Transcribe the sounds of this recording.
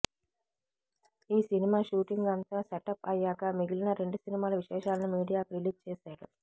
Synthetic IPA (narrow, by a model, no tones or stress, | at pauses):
iːsinimaːʃuːʈiŋɡɐnt̪aːseʈɐpɐjaːkɐmiɡilinɐɾe̞ɳɖusinimaːlɐʋiʂɛːʂaːlɐnumiːɽijaːkɾiliːst͡ʃeːsaːɽṵ